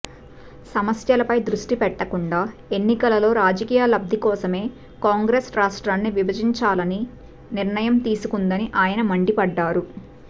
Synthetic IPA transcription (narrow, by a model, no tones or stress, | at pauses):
sɐmɐsjɐlɐpɐjd̪ɾuʂʈipɛʈːɐkuɳɖaːe̞nːikɐlɐlo̞ːɾaːd͡ʒɐkiːjalɐb̚d̪ʱikɔːsɐme̞ː | kaːŋɡɾesɾaːʂʈɾaːnːiʋibɐd͡ʒiɲt͡ʃaːlɐni | niɾɳɐjɐmt̪iːsukund̪ɐniʔaːjɐnɐmɐɳɖipɐɖːaːɾu